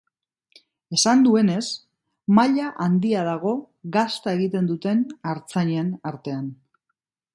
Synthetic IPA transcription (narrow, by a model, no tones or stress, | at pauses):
e̞sand̪ue̞ne̞s | maʎaʔand̪iað̞aɣ̞o̞ | ɣast̪ae̞ɣit̪e̞nd̪ut̪e̞naɾt͡saɲenaɾt̪e̞an